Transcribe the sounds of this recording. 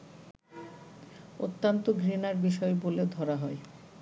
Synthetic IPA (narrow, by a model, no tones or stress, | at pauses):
o̰t̪ːant̪oɡʱɾinaɾbiʃɔeboled̪ʱɔɾaɦɔe